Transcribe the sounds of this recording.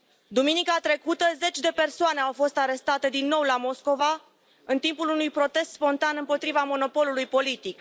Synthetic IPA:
d̪uminikat̪ɾe̞kut̪əze̞t͡ʃʲd̪e̞pe̞rsoane̞awfo̞st̪aɾe̞st̪at̪e̞d̪inːo̞wlamo̞sko̞va | ɨnt̪impulunujpɾo̞t̪e̞st̪spo̞nt̪anɨmpo̞t̪ɾivamo̞no̞po̞lulujpo̞lit̪ik

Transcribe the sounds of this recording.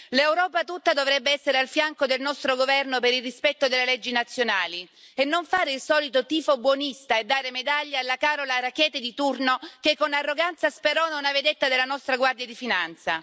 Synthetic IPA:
lewɾɔːpat̪ut̪ːad̪ovɾɛbːeɛsːeɾealfjaŋkod̪elnɔst̪ɾoɡovɛrnopeɾilrispɛt̪ːod̪elːelɛd͡ʒːinat̪sːjonaːli | enːoɱfaːɾeilsɔːlit̪ot̪iːfobwɔnist̪aed̪ːaːɾemed̪aʎːaːlːakaːɾolarakɛːt̪ed̪it̪urnokekːonarːoɡant̪saspeɾɔnonaved̪et̪ːad̪elːanɔst̪ɾaɡward̪jad̪ifinant̪sa̰

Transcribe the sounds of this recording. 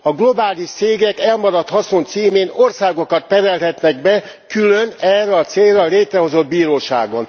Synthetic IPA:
ɒɡlo̞baːliʃt̪seːɡɛkɛlmɒɾɒt̪hɒso̞nt̪siːmeːno̞rsaːɡo̞kɒt̪pɛɾɛlɦɛt̪nɛɡbɛ | kylønɛrɛɒt̪seːlrɒleːt̪rɛɦo̞zo̞d̪̚biːɾoːʃa̰ːɡo̞n

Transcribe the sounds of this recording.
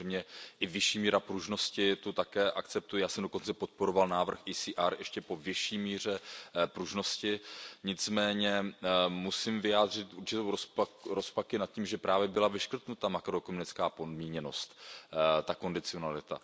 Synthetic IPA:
ɛmɲɛʔɪvɪʃiːmiːɾapɾuʒno̞scɪt̪ut̪akɛːʔakt͡sɛp̚t̪ujɪjaːsɛmdo̞ko̞nt͡sɛpo̞t̪̚po̞ɾo̞valnaːvr̩xʔijsiːʔaɾjɛʃcɛpo̞vjɪʃiːmiːr̝ɛpɾuʒno̞scɪɲɪt͡smɛːɲɛmusimvɪjaːd̪r̝ɪt̪ʔuɾt͡ʃɪt̪owɾospakɾo̞spakɪnat̪̚ciːmʒɛpɾaːvjɛbɪlavɪʃkr̩t̪nut̪amakɾokomunɪt͡skaːpodmiːɲɛno̞st̪t̪ako̞ndɪt͡sɪo̞nalɪt̪a̰

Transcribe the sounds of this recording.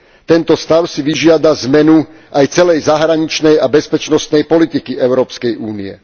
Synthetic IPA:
t̪ɛnt̪ɔst̪aʊsiʋiʒɪad̪azmɛnu | ʔajt͡sɛlɛjzaɦɾaɲit͡ʃnɛjabɛspɛt͡ʃnɔst̪nɛjpɔlit̪ikiɛʊɾɔːpskɛjuːniɛ̰

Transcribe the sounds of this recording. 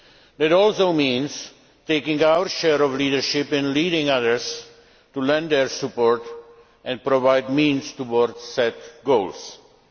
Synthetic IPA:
d̪ætɔːlsoʊmĩːnz | teɪkɪ̃ŋaʊəɾʃɛɾɔvlidəɾʃɪpɪ̃nliːɾɪ̃ŋʌðəɾz | tulɛ̃nd̪ɛɾsupoɾt | ʔɛ̃n̚pɾovaɪd̚mĩːnstuwɔɾdsɛtɡoʊls

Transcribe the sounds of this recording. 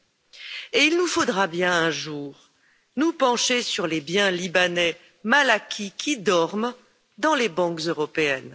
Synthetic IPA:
eilnufod̪ʁabjɛ̃ɛ̃ʒuːʁ | nupɑ̃ʃesyʁlebjɛ̃libanɛ | malakʲʰikʲʰid̪ɔʁm | d̪ɑ̃lebɑ̃kzøʁɔpeɛn

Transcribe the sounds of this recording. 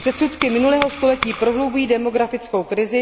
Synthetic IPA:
pr̝̥ɛt̪sut̪kɪmɪnulɛːɦo̞st̪o̞lɛciːpɾo̞ɦlowbujiːdɛmo̞ɡɾafɪt͡sko̞wkɾɪzɪ

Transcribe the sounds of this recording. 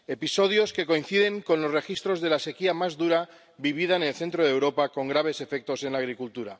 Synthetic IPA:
e̞piso̞ð̞jo̞ske̞ko̞in̟θiðe̞ŋko̞nlo̞sre̞xist̪ɾo̞zðe̞lase̞kiamazðuɾa | biβ̞iðaene̞lθe̞nt̪ɾoðe̞wɾo̞pako̞ŋɡɾaβ̞e̞se̞fe̞k̚t̪o̞se̞nlaːɣ̞ɾikult̪uɾa

